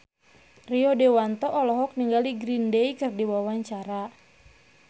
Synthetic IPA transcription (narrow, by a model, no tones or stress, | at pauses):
riɔdewant̪ɔʔɔlɔɦɔk̚niŋɡaliɡɾindeikɨrdiwawaɲt͡ʃaɾa